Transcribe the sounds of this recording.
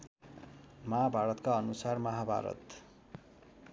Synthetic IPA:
mʌɦabʱaɾʌt̪kaʌnusarmʌɦabʱa̰ɾʌ̰t̪

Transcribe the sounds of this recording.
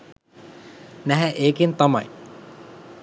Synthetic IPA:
næɦɛʔeːkint̪amaj

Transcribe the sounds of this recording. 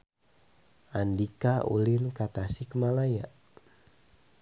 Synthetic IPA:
andikaṵlinkat̪asikmalaja

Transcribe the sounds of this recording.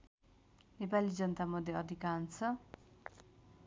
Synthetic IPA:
nepalid͡zʌnʌt̪amʌd̪ʱjeʌd̪ʱikant͡sʰʌ

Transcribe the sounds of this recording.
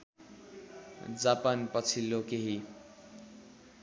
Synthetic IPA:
d͡zapanpʌt͡sʰilːokeɦi

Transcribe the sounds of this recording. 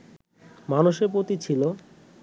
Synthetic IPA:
manuʃeɾpɾot̪it͡ɕʰilo

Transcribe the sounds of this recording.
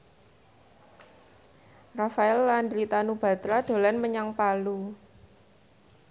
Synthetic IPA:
rafaɛlːand̪ɾit̪anub̥a̤t̪ɾad̪̥o̤lanməɲaŋpalu

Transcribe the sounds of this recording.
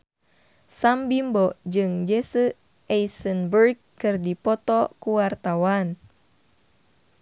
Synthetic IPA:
sambimbɔd͡ʒɨŋd͡ʒesə | ʔɛjsənbərɡkːɨrdipɔt̪ɔkuwart̪awan

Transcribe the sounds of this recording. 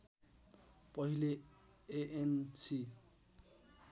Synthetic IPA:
pʌɦile | eʔensʰi

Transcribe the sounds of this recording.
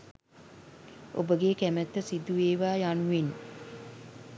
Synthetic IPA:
obəɡeːkæmæt̪ːəsid̪uʋeːʋaːjanuʋen

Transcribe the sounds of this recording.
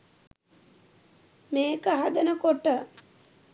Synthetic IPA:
meːkəɦad̪ənəkoʈə

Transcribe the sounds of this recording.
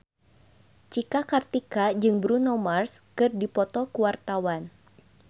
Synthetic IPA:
t͡ʃikakart̪ikad͡ʒɨŋbɾunɔmarskɨrdipɔt̪ɔkuwart̪awan

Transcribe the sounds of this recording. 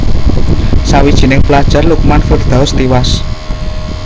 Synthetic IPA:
sawid̥ʒ̥i̤nɪŋplad̥ʒ̥a̤rlukmanfʊrd̪̥a̤ʊst̪iwas

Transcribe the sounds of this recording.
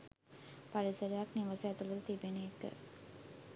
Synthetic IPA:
paɾisəɾəjakniʋəsəæt̪uləd̪ət̪ibeneekə̰

